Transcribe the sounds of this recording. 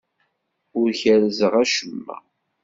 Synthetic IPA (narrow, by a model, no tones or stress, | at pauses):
ʊɾçælzəʁæʃəmːæ̰